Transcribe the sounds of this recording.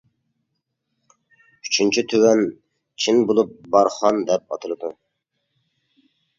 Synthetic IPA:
yt͡ʃʰynt͡ʃʰyt̪ʰøwɛn | t͡ʃʰinbolˠup̚bɑɾχɑnd̪ɛp̚ɑ̰t̪ʰɨlˠɨd̪u

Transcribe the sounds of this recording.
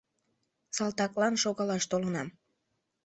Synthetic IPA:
sɑlˠt̪ɑklɑnʃoɣɑlɑʃt̪olənɑm

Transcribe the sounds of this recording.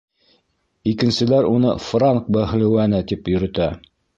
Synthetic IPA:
ikɘ̆nsɘ̆læɾunɤfraŋk̚bæχ̆lɘ̆wænɘt̪ipjɵ̆ɾɵ̆t̪æ

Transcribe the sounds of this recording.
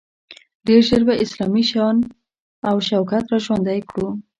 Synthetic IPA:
ɖeɾʒəɾbaʔɪslɑmiʃɑn | awʃawkat̪ɾɑʒwand̪ajkɽu

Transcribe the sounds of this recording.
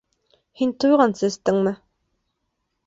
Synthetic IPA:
hint̪ujʁɑnsɤɘ̆st̪ɘŋmɘ

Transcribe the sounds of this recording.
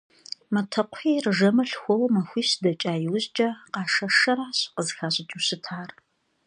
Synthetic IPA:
mɐtʰɐqʷħiːrɨʒɐmɐɬxʷɔwɐmɐxʷiːɕdɐt͡ʃʼaːjɪwʊzt͡ʃʼɐqɑːʂɐʂɐɾaːɕqəzxaːɕʼɪt͡ʃʼusɨtʰaːr

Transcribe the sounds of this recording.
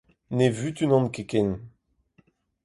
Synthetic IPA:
nevyt̪ynɔ̃nkekɛn

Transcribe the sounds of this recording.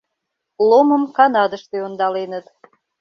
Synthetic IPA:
lˠomə̆mkɑnɑd̪əʃt̪eond̪ɑlenət̪

